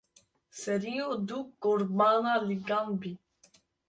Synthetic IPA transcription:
seɾiod̪ukːoɾmaːnaliɡambi

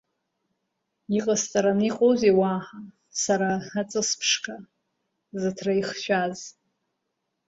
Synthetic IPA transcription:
iqʼast͡sʼaɾaniqʼozewaːħa | saɾaat͡sʼɨspʰʂkʰa | zɨtʰrajχʃʷᶣaz

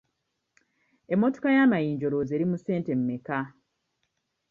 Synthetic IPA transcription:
e̞mːo̞to̞kajaːmajiːɲɟo̞ɾoze̞ɾimuse̞ːnte̞mːeka

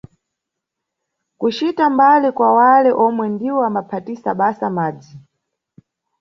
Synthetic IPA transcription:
kut͡ʃitambalɛkwawalɛʔɔmwɛndiwɔamapʰatisaɓasamaːd͡zi

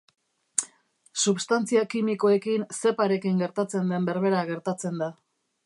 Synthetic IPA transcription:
suβst̪ant͡siakimiko̞e̞kinse̞paɾe̞kiŋɡe̞ɾt̪at͡se̞nd̪e̞mbe̞ɾβe̞ɾaɣ̞e̞ɾt̪at͡se̞nd̪a

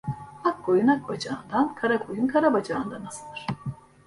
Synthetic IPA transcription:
akːo̞junak̚bad͡ʒaːnd̪ankʰaɾakʰo̞junkʰaɾabad͡ʒaːɯnd̪anasɯld̪ɯɾ̥

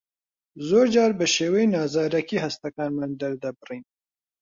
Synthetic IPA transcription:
zoɾd͡ʒɑːɾbəʃeːwejnɑːzɑːɾɐkiɦast̪akɑːnmand̪aɾd̪abɨrin

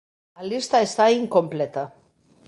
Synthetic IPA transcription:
lalist̪aest̪aiŋkomplet̪a

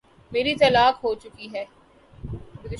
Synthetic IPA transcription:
meːɾit̪ɐlaːkɦot͡ʃʊkiɦɛː | ɡʊd̪ɪ

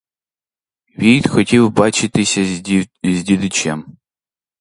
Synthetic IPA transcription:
ʋʲijt̪xɔtʲiwbɑt͡ʃɪt̪ɪsʲɐzʲdʲid̪ʊt͡ʃʲam

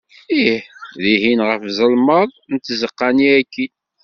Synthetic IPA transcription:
iħðiɦinʁəfzˤəlməðˤnət̪ːzəqːɑniækːi

